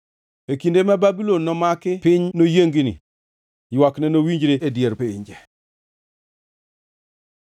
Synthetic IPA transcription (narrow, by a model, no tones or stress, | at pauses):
ekindemababilonːɔmakɪpɪɲnojeŋɡinḭ | jwaknɛnowiɲd͡ʒɾeʔedjeɾpeḭɲd͡ʒɛ